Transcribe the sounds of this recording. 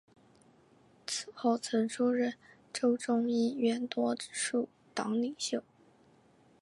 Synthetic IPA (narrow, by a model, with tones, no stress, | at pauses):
t͡s̩ʰ˨˩xo˥˩ʊt͡sʰɤ˧˥ŋʈ͡ʂʰu˥ɻə˥˩n | ʈ͡ʂo˥ʊʈ͡ʂʊ˥ŋi˥ɥɛ˥˩nt̪wɔ˥ʈ͡ʂ̩˧˥ʂu˥˩ | t̪ɑ˧˥ŋli˨˩ŋɕjo˥˩ʊ